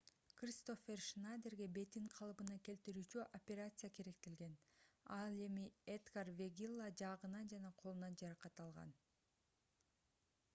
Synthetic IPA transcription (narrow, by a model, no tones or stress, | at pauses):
krʲist̪o̞ferʃnajd̪erɡe̞be̞t̪iɴqʰɑlˠɯbɯnɑke̞lt̪iɾyːt͡ʃyʔopʲeɾat̪sɨjakeɾe̞k̚t̪ilɡe̞nɑlˠe̞mied̪ɡarvʲeɡʲilˠːad͡ʒɑʁɯnɑnd͡ʒɑnɑqʰolˠunɑnd͡ʒɑɾɑqɑt̪ɑlˠʁɑ̰n